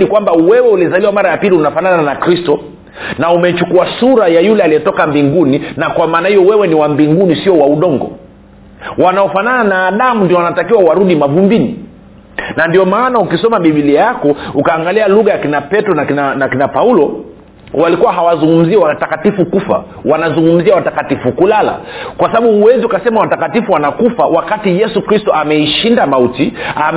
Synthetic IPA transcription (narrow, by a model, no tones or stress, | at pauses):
likwambawɛwɛulizaliwamaɾajapiliunafanananakɾistɔ | naumɛt͡ʃukuasuɾajajulɛalijɛtɔkambiŋɡuninakwamaːnahijɔwɛwɛniwambiŋɡunisiɔwauɗɔŋɡɔ̰ | wanaɔfanananaːɗamundiɔwanatakiwawaɾuɗimavumbinḭ | nandiɔmaːnaukisɔmaɓiɓiliajakɔukaːŋɡalialuɣajakinapɛtɾɔnakinanakinapaulɔ | walikuwaɦawazuŋɡum̩ziɛwatakatifukufa̰ | wanazuŋɡum̩ziawatakatifukulala̰kwasaɓaɓuːwɛziukasɛmawatakatifuwanakufawakatijɛsukɾistɔamɛiʃindamautiam